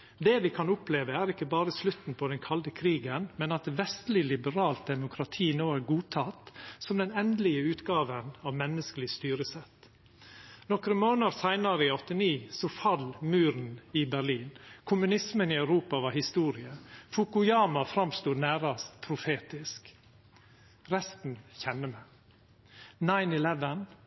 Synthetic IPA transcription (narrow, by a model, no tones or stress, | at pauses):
d̪ɛʋɪkʰɑnʊpleːʋəæɾɪkːəbɑːɾəslʉt̪n̩pʰɔd̪ɛnkʰɑld̪əkʰɾiːɡənmɛnɑt̪ʋɛst̪lɪlɪbəɾɑːlt̪̚d̪ɛmʊkʰɾɑt̪ʰiːnoːæɾɡuːt̪ʰɑt̪sɔmd̪ɛnɛnd̪lɪəʉːt̪ɡɑːʋənɑʋmɛnːəskəlɪst̪yːɾəsɛt̪ː | nɔkɾəmoːnəɾsæɪnɑɾəɪɔt̪ːɪniːsɔfɑlmʉːɾn̩ɪbæɾliːnkʰʊmʉnɪsmənɪɑʉɾuːpɑʋɑɾhɪst̪uːɾɪəfʊkʊjɑːmɑfɾɑmst̪uːnæːɾɑst̪pʰɾʊfeːt̪ɪsk | ɾɛst̪n̩çɛnːəmɛ | nɑɪnɪlɛʋən